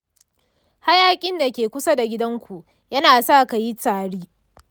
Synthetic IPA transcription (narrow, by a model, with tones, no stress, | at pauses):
ha˦jaː˦kʲʼɪ˦nda˨kʲeː˨kʷʊ˦sa˦da˨ɡʲɪ˦dɐ˦ŋkʷu˨ʔ | jɐ˦naː˨saː˦ka˨ji˦taː˨ɽiː˦